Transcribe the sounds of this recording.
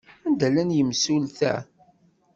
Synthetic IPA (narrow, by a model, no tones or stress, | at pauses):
ænd̪ælænjəmsulθæ̰